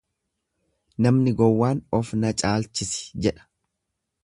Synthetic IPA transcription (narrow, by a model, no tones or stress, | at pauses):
nɐmnɪɡɔwːaːnɔfnɐt͡ʃʼaːlt͡ʃɪsɪ̥d͡ʒɛᶑɐ̥